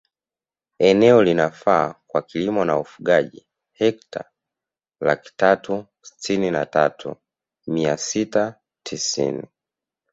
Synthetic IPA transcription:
ɛnɛɔlinafaːkwakilimɔnaufuɡaʄḭ | hɛk̚tʰa̰ | laki̥tatu | si̥tʰinina̰tatʰṵ | miasita | tʰisḭni

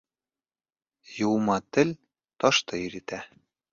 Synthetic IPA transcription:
juwmɑt̪ɘ̆lʲ | t̪ɒʃt̪ɤ̆iɾit̪æ

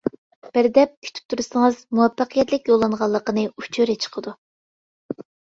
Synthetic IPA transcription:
b̥æɾd̪ɛp̚kʲʰy̥t̪ʰy̥p̚t̪ʰuɾɨsəŋɨz̥muwɛpːɑqʰəjɛt̪lɪk̚ʲjolˠːɑnʁɑlˠːəqənɨut͡ʃʰyɾet͡ʃʰə̥qʰəd̪u

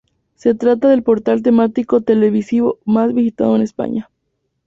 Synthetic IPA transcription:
se̞t̪ɾat̪aðe̞lpo̞ɾt̪alt̪̬e̞mat̪iko̞t̪e̞le̞βisiβo̞mazβixit̪a̰ð̞oenespa̰ɲa

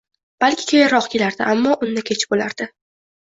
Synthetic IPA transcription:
b̥alkʲɪ̥kʲʰejaɾɒχkʲʰe̞laɾd̪ɪʔamːɒʔʊnːɪkʲʰet͡ʃʰbolaɾd̪̥ɪ

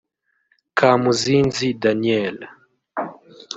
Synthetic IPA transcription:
kʰamuzinzidaniɛl

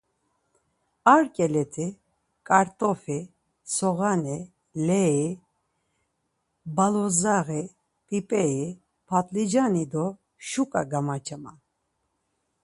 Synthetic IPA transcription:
aɾkʼɛlɛt̪ʰʼi | kʼaɾt̪ʼɔfi | sɔɣani | lɛi | baluzaɣi | pʼipʼɛji | pʰat̪ʼlid͡ʒanid̪ɔ | ʃukʼa̰ɡamat͡ʃʰʼama

